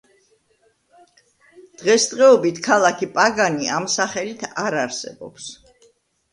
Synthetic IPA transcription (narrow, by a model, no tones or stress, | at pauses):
d̪̥ʁɛst̪ʼʁɛɔbit̪ʰkʰalˠakʰipʼaɡaniamsaχɛlit̪ʰaɾaɾsɛ̰bɔ̰ps